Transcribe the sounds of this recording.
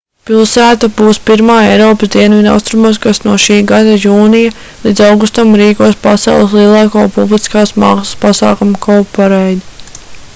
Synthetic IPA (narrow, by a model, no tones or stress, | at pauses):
pilˠsæːt̪abuːspiɾmaːejɾɔːpəsd̪iɛnvid̪a̰wst̪ɾumaːskasnuɔʃiːɡad̪ajuːnija | lˠiːd̪zawɡust̪amɾiːkuɔspasɛ̰lˠslˠiɛlˠɑːkoɔːpublˠiskaːsmaːksə̥spasɑ̰ːkumkɔwpaɾɛjd̪